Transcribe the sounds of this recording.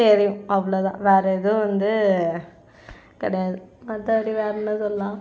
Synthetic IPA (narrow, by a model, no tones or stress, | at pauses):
eɾɪjʊ̃ɐʋːɐɭoːt̪ã̰ːʋeːɾɐɪðɯʋɐnd̪ɯ | kɐɽɐjaːðɯmɐt̪ːɐʋɐɽiʋeːɾɐnːɯsɔlɐlãː